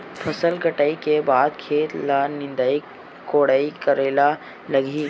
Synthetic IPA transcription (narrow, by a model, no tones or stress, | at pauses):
pʰɐsəlɡʱəʈaikebaːd̪̚kʰeːt̪lanɪ̃nd̪ai | koːɽaːikəɾeːla | lɐɡiː